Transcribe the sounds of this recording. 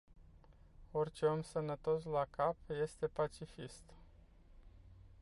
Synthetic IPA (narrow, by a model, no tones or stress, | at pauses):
o̞rʲt͡ʃeomsənət̪o̞slakapje̞st̪e̞pat͡ʃifist̪